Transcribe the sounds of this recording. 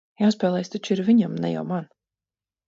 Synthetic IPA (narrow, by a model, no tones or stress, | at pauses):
jawspɛːlˠɛjst̪ɔt͡ʃiɾviɲamnɛ̰ja̰wman